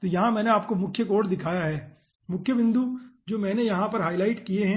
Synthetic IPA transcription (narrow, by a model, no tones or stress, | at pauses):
t̪ojɐɦãmɛ̃ːneaːp̚komʊkʰjəkoːʈd̪ɪkʰaːjaɦɛː | mʊkʰjəʋɪ̃nd̪ʱud͡ʒoːmɛ̃ːnejɐɦãpɐɾɦaːɪlaːɪʈkieɦɛ̃